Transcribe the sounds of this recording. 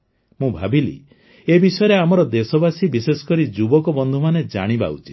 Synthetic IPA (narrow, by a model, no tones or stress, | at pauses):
mũbʱabilḭ | ebisɔeɾeamɔɾɔd̪esɔbasibisesɔ̥kɔɾid͡ʒubɔkɔbɔnd̪ʱumaned͡ʒa̰ɽ̃iba̰ut͡ʃi̥